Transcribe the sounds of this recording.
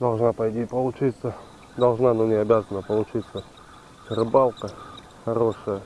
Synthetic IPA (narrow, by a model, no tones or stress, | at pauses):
d̪ɐlˠʐnapɐjt̪ʲipəlˠʊt͡ɕit̪sə | d̪ɐlˠʐnanonʲɪɐbʲazənːəpəlˠʊt͡ɕit̪sə | t͡ʃəɾɨbalˠkə | xɐɾoʂəjə